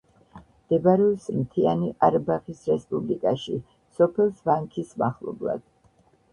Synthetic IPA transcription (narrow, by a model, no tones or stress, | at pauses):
d̪̥ɛbɾɛsmt̪ʰia̰niʔaɾbaχisɾɛspʼublikʼaʃḭ | sɔpʰɛlˠsvaŋkʰismaχlˠɔ̰blˠa̰d̪̥